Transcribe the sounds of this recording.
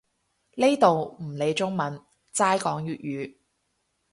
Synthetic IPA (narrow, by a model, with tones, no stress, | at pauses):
le˥jt̪o˨wm̩˨˩le˨˧jt͡sʊ˥ŋmɐ˨˥n | t͡saː˥jkɔː˨˥ŋjyː˨t̚jyː˨˧